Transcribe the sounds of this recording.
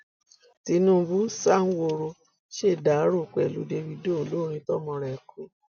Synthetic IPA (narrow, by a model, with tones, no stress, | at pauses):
ti˨˧˦nũ˦bu˦sa˦ŋ̩˦wo˧˨ɾo˧ | ʃe˦˨da˨˦ɾo˦˨k͡pɛ˨lu˨˦de˧wi˧do˦o˨lo˦˧ɾ̃ĩ˧tɔ˦˨mɔ̃˧ɾɛ˨kʰo˨˦